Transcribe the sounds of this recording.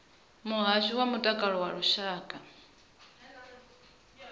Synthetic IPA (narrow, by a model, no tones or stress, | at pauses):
muɦaʒʷiwamutʼakʼaɺɔwaɺuʃaːkʼa